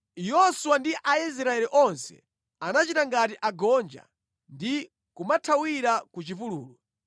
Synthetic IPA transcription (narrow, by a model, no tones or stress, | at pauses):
jɔsuwandiʔais̬ɾaɛliʔɔnsɛ̥̰ | anat͡ʃitaŋɡatiʔaɡɔnd͡ʒa̰ | ndi | kumatʰawiɾakut͡ʃifuluːlɔ